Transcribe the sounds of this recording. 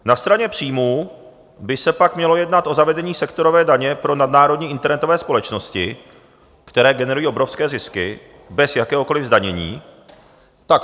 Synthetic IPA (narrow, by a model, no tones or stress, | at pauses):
nast̪ɾaɲɛpr̝̥iːmuː | bɪsɛpakmɲɛlo̞jɛdnat̪ʔo̞zavɛdɛɲiːsɛkt̪o̞ɾo̞vɛːdaɲɛpɾo̞nadnaːɾodɲiːʔɪnt̪ɛɾnɛt̪o̞vɛːspo̞lɛt͡ʃno̞scɪ | kt̪ɛɾɛːɡɛnɛɾujiːʔo̞bɾo̞fskɛːzɪskɪ | bɛsjakɛːɦoko̞lɪvzdaɲɛɲḭː | t̪ak